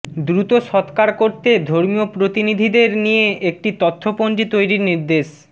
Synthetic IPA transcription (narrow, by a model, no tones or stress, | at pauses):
d̪ɾut̪oʃɔt̪kaɾkoɾt̪ed̪ʱoɾmiopɾot̪inid̪ʱid̪eɾnijeek̚ʈit̪ot̪ʰːopond͡ʑit̪ojɾiɾniɾd̪eʃ